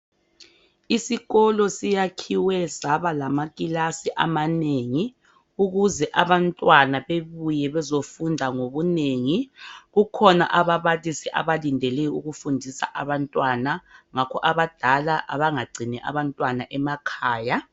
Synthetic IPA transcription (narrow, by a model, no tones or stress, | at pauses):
isiɣɔlɔsijakʰiwɛzaβalamakʼilasiʔa̰maneŋi | uɣuzɛʔaβantʼwanaβeβujɛβɛzofundʱaŋoβuneːŋiɣukʰɔna̰ʔaβaβalisɛʔa̰βalindʱɛlɛuɣufundʱisa̰ʔaβantʼwanaŋakʰɔ̰ʔaβad̥ʱalaʔa̰βaŋaɡ͡ǀʱinɛʔa̰βantʼwanaʔɛmakʰaːja